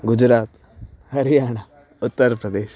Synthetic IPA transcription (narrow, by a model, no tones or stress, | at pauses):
ɡʊd͡ʒɾaːt̪ | hɐɾijaːɽ̃a | ʊt̪ːəɾpɾɐd̪eːʃ